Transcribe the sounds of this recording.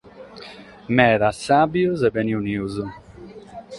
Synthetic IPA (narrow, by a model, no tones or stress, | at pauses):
mɛːɾasːabjuzɛbɛniuniuzu